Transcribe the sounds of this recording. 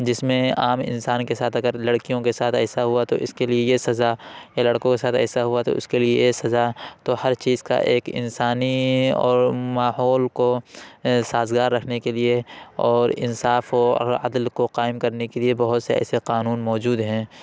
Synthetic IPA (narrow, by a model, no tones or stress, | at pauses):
d͡ʒɪsmẽaːmɪ̰̃nsaːnkesaːt̪ʰɐɡəɾlɐɽkijõkesaːt̪ʰɛːsaɦuat̪oɪskeliejesɐzajalɐɽkõkesaːt̪ʰɛ̰ːsaɦuat̪o̰ʔʊskeliesɐzat̪ohɐɾt͡ʃiːzka̰ʔeːkɪ̰nsaːniɔ̰ːɾmaːɦɔːlko | saːzɡaːɾːɐkʰnekelieɔːɾɪ̰nsaːfɔ̰ɐ̰d̪lkoqaːɪmkɐɾnekeliebɐɦʊt̪seɛ̰ːseqaːnuːnmɔːd͡ʒuːd̪ɦɛ̃ː